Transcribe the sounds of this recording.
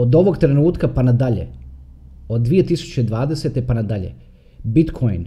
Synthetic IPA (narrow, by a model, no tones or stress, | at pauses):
od̪o̞ʋo̞ɡt̪ɾe̞nuːt̪kapanad̪aʎḛ | o̞d̪ːʋije̞t̪isu̥t͡ɕeid̪ʋaːd̪ese̞t̪epanad̪aʎḛ | bit̪kʰojn